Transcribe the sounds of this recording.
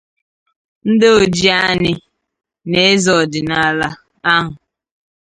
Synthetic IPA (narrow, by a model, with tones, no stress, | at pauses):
n̩˦dɪ˦o˨d͡ʒi˦a˦ɲɪ˦ | ne˦e˦zɔ˨dɪ˨na˦la˦ | a˦ɦʊ˨